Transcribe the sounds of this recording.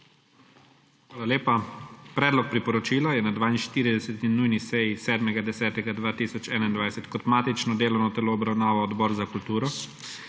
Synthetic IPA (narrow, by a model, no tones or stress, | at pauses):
xʋaːlaleːpapɾɛːd̪lɔk̚pɾipɔɾɔt͡ʃiːlajɛnad̪ʋaːinʃt̪iːɾid̪ɛsɛt̪inujnisɛjisɛːd̪mɛɡad̪ɛsɛːt̪ɛɡad̪ʋaːt̪iːsɔt͡ʃɛːnaind̪ʋajsɛt̪kɔt̪maːt̪it͡ʃnɔd̪eːlɔwnɔt̪ɛloːbɾawnaːʋɔːd̪bɔːɾzakult̪uːɾɔ